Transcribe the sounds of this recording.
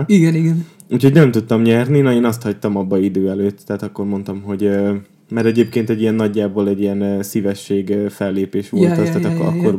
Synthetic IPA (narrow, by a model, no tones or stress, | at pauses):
iɡɛniɡɛn | ucʰho̞ɟnɛmt̪ut̪ːɒmɲɛrninɒeːnɒst̪hɒct̪ɒmɒbːɒid̪øːɛløːt̪ːtːɛːt̪ɒkːo̞rmo̞nt̪ɒmɦo̞ɟø | mɛɾɛɟeːpkeːnt̪ɛɟːijɛnːɒɟːaːboːlɛɟijɛnːsivɛʃːeːɡfɛlːeːpeːʃʋo̞lt̪ɒst̪ɛːt̪ːkːɒ̰kːor